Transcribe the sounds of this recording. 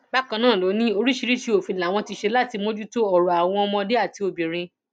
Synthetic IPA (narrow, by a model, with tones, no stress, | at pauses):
ba˦kã˧nãː˦˨lo˨˦nĩ˦o˧ɾi˦ʃi˧ɾi˦ʃi˧˦o˨fĩ˨a˨w̃ɔ̃˧ti˧ʃe˧la˦˨ti˧mõ˦d͡ʒu˦to˦ɔ˨ɾɔ˨a˨w̃ɔ̃˧ɔ˧mɔ̃˧de˦a˦˨ti˧o˨bĩ˨ɾ̃ĩ˧